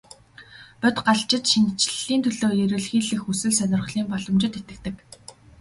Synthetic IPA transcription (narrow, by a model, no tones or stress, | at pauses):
pœt̪ɢaɮt͡ɕɪ̆t̪ʃin̆ʰt͡ɕɮiːnt̪ʰɵɮoːjeɾɘ̆ɮxiːɮɘ̆xusɘ̆ɮsœnʲɪ̆rχɮiːmpɔɮɞ̆mt͡ɕɪ̆t̪et̪ɘ̆k̚t̪ɘ̆k